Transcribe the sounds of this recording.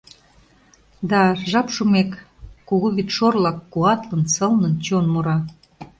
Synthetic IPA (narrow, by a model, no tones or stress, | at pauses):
d̪ɑʒɑpʃumekː | uɣuβit̪ʃorlɑkːuɑt̪lənsəlnənt͡ɕonmoɾɑ